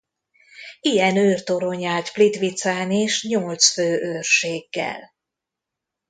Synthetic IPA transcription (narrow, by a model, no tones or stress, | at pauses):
ijɛnøːrt̪o̞ɾoɲaːt̪flit̪ʋit̪saːneːʃɲolt̪sføːʔøːrʃeːɡːɛ̰l